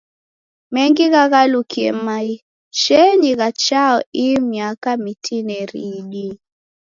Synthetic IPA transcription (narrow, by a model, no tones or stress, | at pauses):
mɛŋɡiɣaɣalukiɛ̰mai | ʃɛɲiɣat͡ʃaɔimiakamitʰinɛɾiɗi